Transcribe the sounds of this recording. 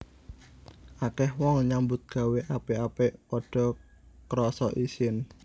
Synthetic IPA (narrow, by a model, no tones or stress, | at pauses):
ʔakɛhwɔŋɲambʊt̪̚ɡ̥a̤weʔapeapeʔpɔɖ̥ɔ̤ | kɾɔsɔʔisɪn